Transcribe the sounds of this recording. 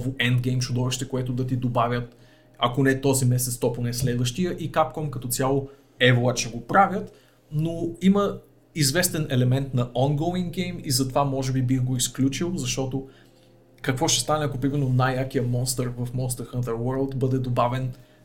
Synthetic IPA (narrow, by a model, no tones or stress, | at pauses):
voʔɛnd̪ɡɛjmt͡ʃud̪ɔvɛʃt̪ɛkoɛt̪ʊd̪ɐt̪̬id̪obavʲjət̪ | ɐkonɛt̪ɔzimɛsɛt̪st̪ɔponɛslɛd̪vəʃt̪ijəʔikap̚kɔmkɐt̪ɔt̪sʲjalˠo | ɛvoat͡ʃɛɡopɾavʲjət̪ | noimə | izvɛst̪ɛnɛlɛmɛnt̪nɐʔɔŋɡoiŋɡɛjmizɐt̪ovamɔʒɛbibixɡoisklʲut͡ʃilˠzɐʃt̪ɔt̪o | kɐkvɔʃt̪ɛ̥st̪anɛɐkopɾimɛɾnonajakijəmɔnst̪əɾvɐfmɔnst̪əɾxənt̪əɾwəɾlˠt̪bɤd̪ɛd̪obavɛn